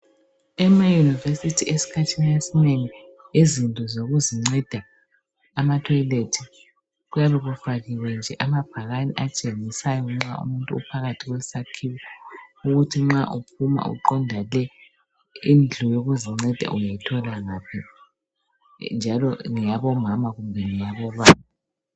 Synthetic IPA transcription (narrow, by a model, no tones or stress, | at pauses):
ɛmajunivesitʰiesi̥kʰatʰiniesineŋi | izintʼɔzoɣuziŋ͡ǀɛd̥ʱaː | matʰɔjiletʰi | ɣujaβɛɣufaɣiwɛnd͡ʒʱɛʔamab̥ʱaɣanḭʔat͡ʃʼeŋisajɔŋ͡ǁaṵmuntʼuṵpʰaɣatʰiɣweisakʰiwɛuɣutʰiŋ͡ǁaʔup̚ʰuma̰ṵǃɔndʱalɛ | ind͡ɮʱɔjoɣuziŋ͡ǀɛd̥ʱa̰ʔujajitʰɔlaŋapʰi | nd͡ʒʱalɔŋijaβɔmamaɣumbʱɛŋijaβɔβaːma